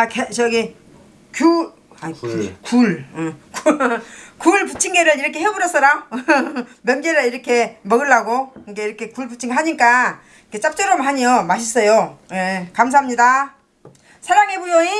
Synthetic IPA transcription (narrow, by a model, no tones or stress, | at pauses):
aket͡ɕʌɡi | kju | akuɭk | kuɭput͡ɕʰiŋɡeɾɯɭiɾʌkʰe̞ɦebuɾʌs͈ʌɾa | mjʌmɡeɾɯɭiɾʌkʰe̞mʌɡɯɭːaɡoikeiɾʌkʰekuɭput͡ɕʰiŋɦaɲik͈a | ikʰet͡ɕ͈ap̚t͡ɕ͈ʌɾomɦaɲiʌmaɕ̬ʰis͈ʌjojekams̬ʰaɦamɲida | sʰeɾaŋebujoi